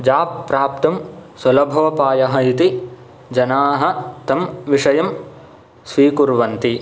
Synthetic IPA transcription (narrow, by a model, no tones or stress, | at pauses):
d͡ʒaːpːɾaːp̚t̪ɐmswɐlɐbʱɐʋɐpaːjɐɦɐit̪i | d͡ʒɐnaːɦɐ̆t̪ɐmʋiʂɐjɐm | sʋiːkuɾʋɐnt̪i